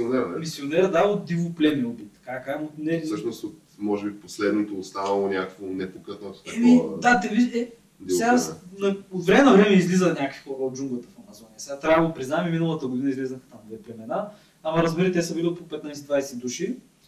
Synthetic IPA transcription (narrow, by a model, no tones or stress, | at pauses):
od̪ɛmisiod̪ɛɛd̪aot̪d̪ivoplʲɛmɛobit̪ːɐ̥kakaɛmonɛsəʃnost̪ot̪mɔʒɛbiposlɛd̪not̪oːst̪anɐlˠonʲakəkvonɛpokət̪nət̪o̥t̪ɛmid̪at̪ɛviɛ | d̪fsɛɡasnɐot̪vɾɛmɛnɐvɾɛmɛizlizəxnʲakəkvi̥xɔɾəod̪̚d͡ʒuŋɡlˠət̪ə̥fɐmɐzɔnijəsɛɡat̪ɾʲajɐɡopɾiznaɛmiminəlˠɐt̪əɡod̪inəizlizəxt̪amd̪ɛplʲɛmɛnaː | mɐɾɐzbiɾət̪ɛsəbillpopɛt̪najsɛd̪vajsɛd̪uʃi